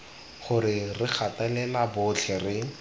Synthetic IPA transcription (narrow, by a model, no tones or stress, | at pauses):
χʊɾɪrɪχʰatalɛlabʊt͡ɬʰɛrɪ